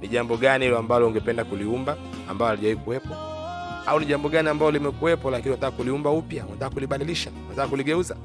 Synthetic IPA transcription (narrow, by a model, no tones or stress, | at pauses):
niʄambɔɠanihilɔambalɔuŋɡɛpɛndakuliumbaː | mbaɔaliʄaikuwɛpwa | auniʄambɔɠaniambalɔlimɛkuwɛpɔlakiniwatakːakuliumbaupjaunatakakuliɓaliliʃaunatakːakuliɡɛuza